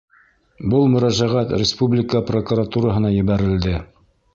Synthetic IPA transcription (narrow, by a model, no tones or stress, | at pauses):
bɤlˠmɵ̆ɾæʒæʁæt̪ɾʲɪspublʲɪkəprokuɾat̪uɾəɦɤ̆nɑjɘ̆βæɾɘ̆ld̪ɘ